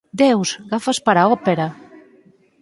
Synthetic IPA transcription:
d̪ɛwz̥ɡafaspaɾaɔpeɾa

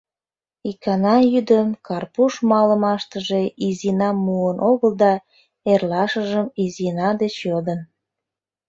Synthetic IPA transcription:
ikɑnɑjyd̪əmkɑrpuʃmɑləmɑʃt̪əʒeʔizinɑmːuənʔoɣəld̪ɑ | erlɑʃəʒəmizinɑd̪et͡ɕjod̪ən

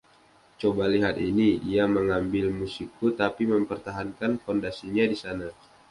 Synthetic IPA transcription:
t͡ʃobaliɦat̪inidiaməŋambɪlmusik̚ut̪apiməmpərt̪aɦankankondasiɲadisana

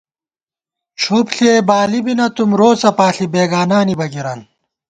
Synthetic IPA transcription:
t͡ɕʰopɬeːbaːlibinɐt̪umɾoːt͡sɐpaːɬibeːɡaːnaːnibɐɡiɾɐn

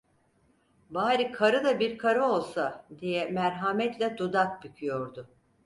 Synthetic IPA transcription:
baːɾikʰaɾɯd̪abiɾkʰaɾɯo̞lˠsad̪ijɛmæɾɦamɛt̪lʲɛd̪ud̪ak̚bycʰyjo̞ɾd̪ʊ

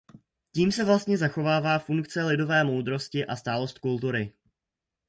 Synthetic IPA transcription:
ciːmsɛvlast̪ɲɛzaxo̞vaːvaːfuŋkt͡sɛlɪdo̞vɛːmo̞wd̪ɾo̞scɪʔast̪aːlo̞st̪̚kult̪uɾɪ

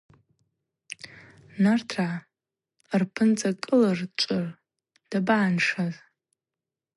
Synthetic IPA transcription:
nartʰra | rpʰɨnt͡sʼakʼɨlart͡ʃʷʼʊr | d̥abaːnʂaz

